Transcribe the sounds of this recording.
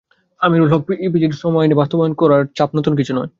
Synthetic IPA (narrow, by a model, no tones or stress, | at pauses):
amiɾulok̚piipid͡ʑiɾʃɔmɔenibast̪obajonkɔɾaɾt͡ɕapnot̪unkit͡ɕʰunɔe